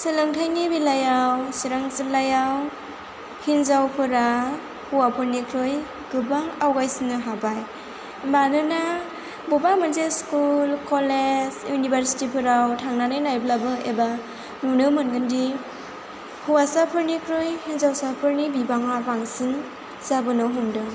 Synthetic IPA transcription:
sɯlɯŋtʰajnibilajawsiɾaŋsɯlajaw | hinzawpʰɯɾa | huwapʰɯɾnikʰɾɯj | ɡ̥ɯbaŋawɡajsinɯɦabaj | manɯna | bɔbamɯnzeskulkɔlezjunibaɾsi̥tipʰɯɾawtʰaŋnanɯjnajblabɯeba | nunɯmɯnɡɯndi | huwasapʰɯɾnikʰɾɯjhinzawsapʰɯɾnibibaŋabaŋsin | zabɯnɯɦumdɯ

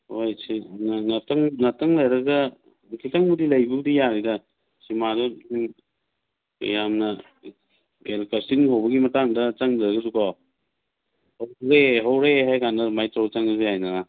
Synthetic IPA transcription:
hojsinnatɐŋnɐtɐŋlɐjɾɐɡɐ | kʰitaŋbudilɐjbuɡdijaɾidɐ | simadɔiŋ | ɐ̰jamnɐ | ɡelkastiŋɦawbɐɡimɐtaŋdɐt͡ʃaŋdaɾɐɡɐzukɔ | howɾeɦawɾeɦajkanɐmajtawt͡ʃaŋazihajnaɡa

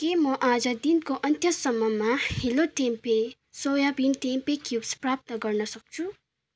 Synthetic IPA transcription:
kemʌʔad͡zʌd̪inkoʔʌnt̪ʰjʌsʌmːʌmaheloʈempe | sojabinʈempekjubsprap̚t̪ʌɡʌrnʌsʌk̚t͡sʰu

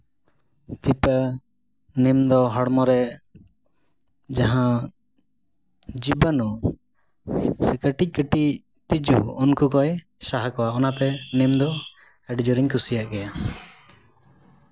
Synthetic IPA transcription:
t̪ipə | nimd̪ɔɦɔɽmɔɾɛ | d͡ʒaɦã | d͡ʒibənu | sɛkəʈic̚ˀkəʈi | t̪id͡ʒṵːnkukɔj | saɦakɔwaɔnat̪ɛnimd̪ɔ | əɖid͡ʒɔɾiɲkusijaʔɡɛja

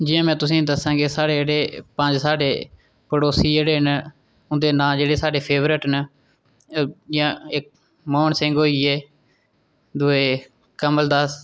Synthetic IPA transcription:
d͡ʒijãːmɛ̃ːt̪ʊsĩːd̪əsãːɡeːsaːɽeːeːɽeːpəɲd͡ʒsaːɖeː | pəɽoːsiːeːɽeːn | ʊnd̪eːnaːd͡ʒeːɽeːsaːɖeːpʰeːʋɾɪʈn | jãːɪk̚ | mɔːɳsɪ̃ŋɡɦoːiːeː | d̪ʊeː | kəməld̪aːs

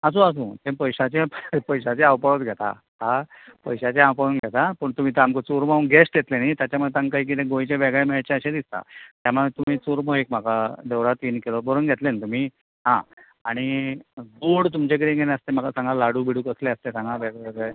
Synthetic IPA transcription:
əs̬õəs̬ũt̪ẽpəjɕat͡ɕepəjɕat͡ɕeawpəɭət̪ɡʱɛt̪a̰ | ɦa | pəjɕat͡ɕeawpəɽunɡʱet̪apəɳt̪um̤iːt̪eamkət͡suɾmaunɡesʈɡet̪lenit̪jat͡ɕjamuet̪aŋkaɦiːk̬it̪ẽɡõjit͡ɕeʋeɡɭemeɭat͡ɕeəɕed̪ist̪a̰t̪jamuet̪um̤iːt͡suɾmoɦek̚m̤akad̪eʋɾat̪iːnkilobəɾunɡʱet̪lenit̪um̤iː | ɦã̰ | aɽ̃iduɽt̪umt͡ɕek̬əɾĩɡʱeneəst̪em̤akasãŋɡalaɽuːbiɽuːkəsleəst̪esãŋɡaʋeɡeɡ

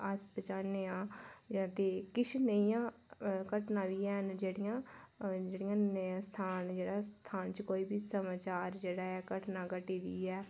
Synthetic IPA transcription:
əspət͡ʃaːneːãːd͡ʒãːt̪eːkɪt͡ʃʰnəijãːkəʈnãːʋiːɛːnd͡ʒeːɽɪjãːd͡ʒeːɽɪjãːst̪ʰaːnd͡ʒeːɽaːst̪ʰaːnt͡ʃkoːiːbʱiːsəmaːt͡ʃaːɾd͡ʒeːɽaːɛːkəʈnãːkəʈiːd̪iːɛː

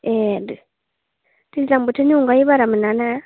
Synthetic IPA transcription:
edi | tizambuteɲuŋɡaiβaɾamunana

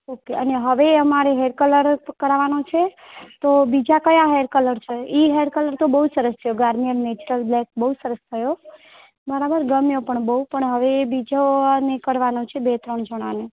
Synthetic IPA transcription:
okeʔəneɦəʋeəmaɾeɦeɾkələɾkəɾaʋanot͡ʃʰe | t̪obid͡ʒakəjaɦeɾkələɾt͡ʃʰeiɦeɾkələɾt̪obəɦusəɾəst̪ʰəjoɡaɾmijəɾmet͡ʃuɾəlblɛk̚bəɦusəɾəst̪ʰəjo | bəɾabəɾɡəmjopəɳbəɦupəɳɦəʋebid͡ʒonekəɾʋanot͡ʃʰebet̪ɾəɳd͡ʒəɽ̃ʋane

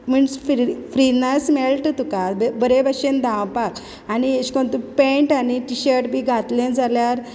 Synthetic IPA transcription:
m̤əɳsffɾinəsmɛɭʈət̪ukabebəɾebəɕend̪ʱãwpak | anieɕkɔɳt̪upẽɳʈaniʈiɕəɾʈbʱiːɡʱat̪lẽnd͡zʱaljaɾ

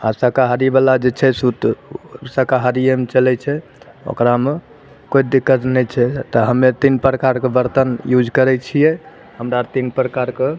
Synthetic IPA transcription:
asəkaɦaɾibalad͡ʒet͡ʃʰɛsut̪səkaɦaɾiemet͡ʃəlɛt͡ʃʰɛ | o̰kɾame | kojd̪ikːət̪nɛt͡ʃʰɛt̪ɔɦəmet̪inpɾəkaɾkebəɾt̪ənjud͡ʒʱkəɾɛt͡ʃʰijɛ | həmɾat̪inpɾəkaɾke

